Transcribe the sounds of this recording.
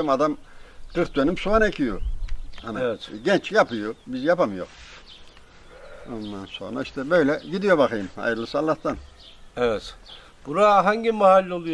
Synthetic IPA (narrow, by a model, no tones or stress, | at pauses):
mad̪amkɯɾt̪̚d̪ø̞nymsuvanecʰijo̰hanaɛt̪ɟɛnt͡ʃjapɯjobizjapamɯjo̞̰ɾ | o̞nd̪anso̞̰nɾaiʃt̪ʰɛbø̞jlʲɛɟid̪ijo̞bakɯjɯmha̰jɯɾlˠɯsalˠːaht̪an | ɛvɛt̪ | b̥uɾaɦaɲɟimaɦalʲːo̞lˠuj